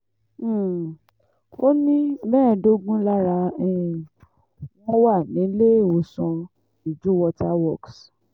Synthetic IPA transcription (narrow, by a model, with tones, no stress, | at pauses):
o˦nĩ˦bɛ̃ː˦˨do˦ɡũ˦la˦ɾa˧ɛ̃˨ | wɔ̃˦wa˦˨nĩ˨˦le˦˨o˨sɔ̃˧ | i˨d͡ʒu˨˦wɔ˧ta˦wɔ˦˨ks